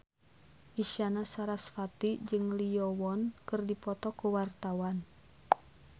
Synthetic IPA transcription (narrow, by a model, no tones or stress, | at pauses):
ʔiʃanasaɾasfat̪id͡ʒɨŋlijɔwɔnkɨrdipɔt̪ɔkuwart̪awan